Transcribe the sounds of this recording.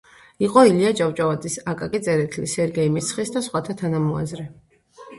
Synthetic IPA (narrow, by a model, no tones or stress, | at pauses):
iqʼɔiliad͡ʒavt͡ʃʼavad̪zʼisakʼakʼit̪sʼɛɾɛt̪ʰlisɛɾɡɛimit̪sʰχisd̪asχwat̪ʰat̪ʰanamɔa̰zɾɛ